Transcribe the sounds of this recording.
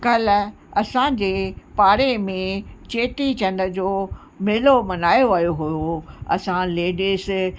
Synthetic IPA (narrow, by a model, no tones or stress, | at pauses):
kɐl | ɐsãd͡ʑeːpaːɽemẽt͡ɕeːʈit͡ɕɐ̃nd̪əd͡ʑoː | meːlomɐnaːjoʋɐjoɦujoɐ̰sãleːɖis